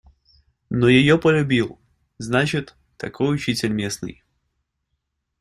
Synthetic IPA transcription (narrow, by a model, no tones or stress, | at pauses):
nojɪjopəlʲʊbʲilˠ | znat͡ɕɪt̪ːɐkojʊt͡ɕitʲɪlʲmʲe̞snɨ̰j